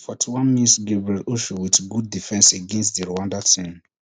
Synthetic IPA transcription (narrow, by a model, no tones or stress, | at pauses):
fɔtʰiwãnmĩntɡebɹɛlʔoʃowitɡud̚ːifɛ̃nseɡɛ̃nstdiɹowãndatʰĩm